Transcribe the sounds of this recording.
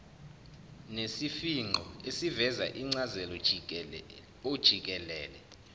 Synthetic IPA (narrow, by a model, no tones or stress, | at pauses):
nesifiŋ͡ǃʱɔesivɛza̰ʔiŋ͡ǀazɛlɔ | od̥ʒ̥ʱik̬ʼɛlɛ̰ːlɛ